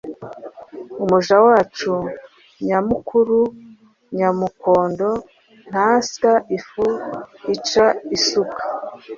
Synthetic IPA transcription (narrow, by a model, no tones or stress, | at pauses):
umuʒawaːt͡ʃu | ɲamukuɾu | ɲamuko̞ːndo̞ | n̥haskaʔifuit͡ʃaisukḁ